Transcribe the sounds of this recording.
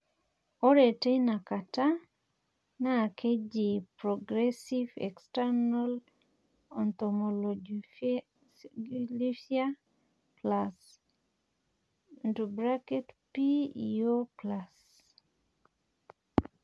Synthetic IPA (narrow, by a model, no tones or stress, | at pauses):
ɔɾetenakata | nakʰed͡ʒipɾɔɡɾɛsivɛ̰kstanal | ɔnt̪ɔmɔl | ɡilifia | plas | ndubɾaketpiioplas